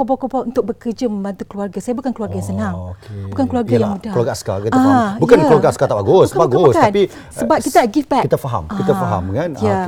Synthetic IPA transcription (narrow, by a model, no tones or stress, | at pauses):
kobawkobawʔunt̪ʊk̚bəkərd͡ʒəmə̃mbant̪ukluarɡasajabukankəluarɡajãŋsənaŋokebukankəluarɡajaŋmudaəluaɾɡaaska̰kitaabukankkluaɾɡaaskat̪apaɡʊspaɡost̪anpi | səbap̚kːit̪aɡifbɛkit̪afaɦa̰mkitt̪afaɦa̰mŋanja